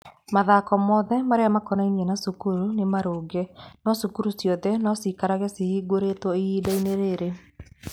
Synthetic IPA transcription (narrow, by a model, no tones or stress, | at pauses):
maðakɔmɔːðɛmaɾeamakɔnainiɛnasukuɾunemaɾoːɡɛnɔsukuɾusjɔðɛnɔsikaɾaɣɛsihiɡoɾetwɔiidaineɾeɾe